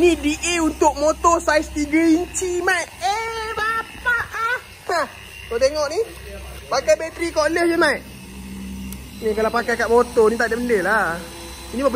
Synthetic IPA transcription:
inidiʔeunt̪ʊk̚mot̪ɔsaist̪iɡəiɲt͡ʃimajʔebapaʔ | a | kot̪eŋɔʔni | pakajbet̪ɾikɔʔləhd͡ʒəmajʔ | ikalapakajkaʔ̚mot̪ɔnit̪aʔdaʔbəndəla | inibab

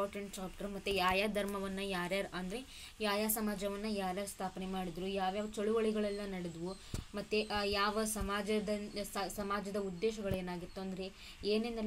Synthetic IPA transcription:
aːɾʈɐɳʈɖaːk̚ʈɐɾmɐt̪ːujaːjaːd̪ʱɐɾmɐʋɐnːɐjaːɾjaːɾʔɐnd̪ɐɾe | jaːjaːsɐmaːd͡ʒɐʋɐnːɐjaːɾjaːɾust̪ʰaːpɐnemaːɽid̪ɾujaːʋjaːʋɐt͡ʃɐɭuʋɐɭiɡɐɭɛlːɐnɐɽed̪ʋu | mɐt̪ːejaːʋɐsɐmaːd͡ʒɐd̪ɐsɐmaːd͡ʒɐd̪ɐud̪ːeːʃ̬ɐɡɐɭeːnaːɡit̪ːuɐnd̪ɐɾe̞ | eːnend̪ɐ

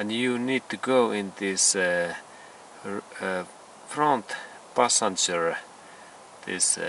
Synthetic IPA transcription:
ə̃njunid̚tuɡoʊʔɪ̃nd̪ɪs | fɹãnt̪ | pasãnd͡ʒəɹ | ð̥ɪ̰s

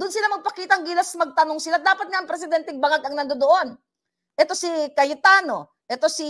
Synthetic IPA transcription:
d̪ʊnsɪlamɐɡ̚pɐkiːt̪ɐʔŋɡiːlɐsmɐɡ̚t̪ɐnoŋsɪlad̪aːpɐt̪̚ŋaʔɐŋpɾɛs̬ɪd̪ɛnt̪ɛŋbɐŋaɡ̪ɐŋnɐnd̪od̪oʔo̞n | ʔɛt̪o̞sikɐjɪt̪aːno̞ | ʔɛt̪osi

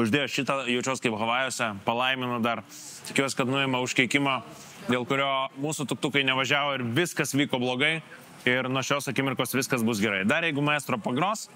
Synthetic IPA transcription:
ʊʒʲd̪ʲeːjoːʃʲɪt̪ɐjɛʊt͡ʃʲoːskɐɪpɣɐʋɑːjoːsʲɛpɐlˠɐɪmʲɪnɐd̪ɐr | t̪ʲɪkʲuɔsʲɪ̥kɐt̪nʊeːmɐʊʃʲkʲɛɪkʲɪmo | d̪ʲeːlˠkʊɾʲoːmuːsʊt̪ʊk̚t̪ʊkɐɪnʲɛʋɐʒʲæːʋoːɪɾʋʲɪskɐsʋʲiːkoːblˠoːɡɐɪ | ɪɾnuɔʃʲoːsɐkʲɪmʲɪrkoːsʋʲɪskɐsbʊsɡʲɛɾɐɪd̪ɐrjɛɪɡʊmɐɪst̪ɾoːpɐɡɾoːs

